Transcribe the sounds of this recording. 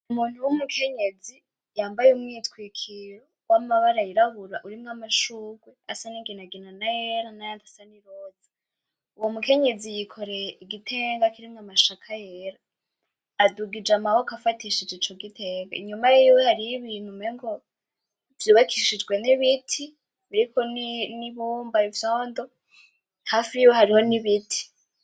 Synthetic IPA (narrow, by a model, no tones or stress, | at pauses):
umuːn̥uwumukʰe̞ɲe̞d͡zi | jaːmbajeumŋiːtkwikʰiɾo | wʔamaβaɾajiɾaβuɾaʔuɾimŋamaʃuːɡweasaniɡinaɡinanajeɾanajantasaniɾoːzḁ | uwomuke̞ɲe̞zijikʰo̞ɾe̞jeiɡitʰe̞ːŋɡakiɾimŋamaʃakʰajeɾaː | duɡid͡ʒamawokafatiʃid͡ʒeit͡ʃo̞ɡitʰeɡa̰iɲumajiwehaɾiβiːn̥humeŋɡo | vjoːβakʰiʃid͡ʒɡwe̞niβitʰi | βiɾikoniniβuːmbaivjoːndo̞ | hafiwehaɾiho̞niβitʰi̥